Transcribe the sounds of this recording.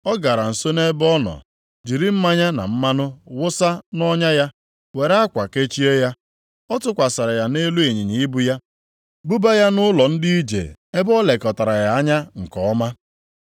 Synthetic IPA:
ɔ˦ɡa˨ɾa˨n̩˨so˦ne˦bɔ˦nɔ̰˨ | d͡ʒi˨ɾi˦m̩˦ma˦ɲa˦na̰˨m̩˦ma˦nʊ˦wʊ˦sa˦nɔ˦ɲa˦ja˦ | we˨ɾa˦kʷa˨ke˦t͡ʃi˦e˦ja˦ | ɔ˦tʊ˦kʷa˨sa˨ɾa˨ja˨ne˦lu˦e˨ɲi˨ɲi˨i˦bu˦ja˦ | bu˦ba˦ja˦nʊ˦lɔ˨n̩˦di˦i˦d͡ʒḛ˨e˦bɔ˦le˨kɔ˨ta˨ɾa˨ja˨a˦ɲa˦ŋ̩˨kɔ˨ɔ˦ma˦

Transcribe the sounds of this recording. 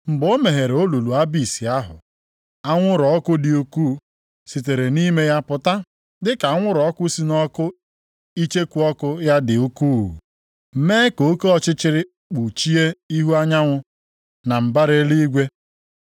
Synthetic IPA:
m̩˨bo˦me˨ɦe˨ɾo˦lu˨lu˨a˦bi˨si˨a˦ɦʊ̰˨ | a˦ŋʷʊ˦ɾɔ˨˦kʊ˦dɪ˨u˦kuː˦˨ | si˨t̬e˨ɾe˨ni˦me˦ja˦pʊ˨ta˦ | dɪ˦ka˨˦ŋʷʊ˦ɾɔ˨˦kʷʊ˦si˦nɔ˦kʊ˦ | i˦t͡ʃe˦kʷu˦ɔ˦kʊ˦ja˦dɪ˨u˦ku˦˨ | m̩˨meː˦ko˦ko˦ɔ˦t͡ʃɪ˦t͡ʃɪ˦ɾɪ˦ | k͡pu˨t͡ʃi˦e˦i˦ɦu˦a˦ɲa˦ŋʷʊ˦ | na˨m̩˨ba˦ɾe˦li˦ɡʷe˦

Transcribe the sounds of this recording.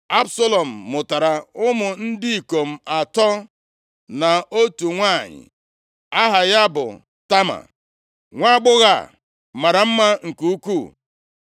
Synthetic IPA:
a˦bso˦lo˨m̩ː˨ʊ˨ta˨ɾa˨ʊ˦mʊ˨n̩˦dɪ˦i˨ko˨m̩˦˨a˨tɔ˦ | na˨o˦tu˨ŋʷa˦˨ɲɪ̰˨ | a˦ɦa˨ja˦bʊ̰˨ | ta˦ma̰˨ | ŋʷa˦˨ɡ͡bʊ˦ɣa˦˨ | ma˨ɾa˨m̩˦ma˦ŋ̩˨ku˨u˦ku˦˨

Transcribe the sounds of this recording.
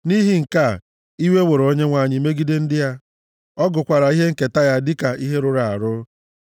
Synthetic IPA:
ni˦ɦi˦ŋ̩˨ka˦˨ | i˦we˦wo˨ɾo˦ɲe˦ŋʷa˨ɲɪ˦me˦ɡi˦de˦n̩˦dɪ˦ja˦ | ɔ˦ɡʊ˨kʷa˨ɾa˨i˦ɦe˦ŋ̩˨ke˨ta˦ja˦dɪ˦ka˨ʔi˦ɦe˦ɾʊ˦ɾa˨a̰˨ɾʊ˦

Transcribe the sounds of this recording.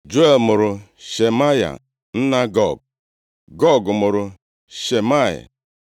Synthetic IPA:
d͡ʒo˦e˦˨lmʊ˨ɾʊ˨ʃe˨ma˦ja̰˨ | n̩˦na˦ɡɔ˦˨ɡ̚ | ɡɔ˦˨ɡmʊ˨ɾʊ˨ | ʃe˨ma˦ja̰˨

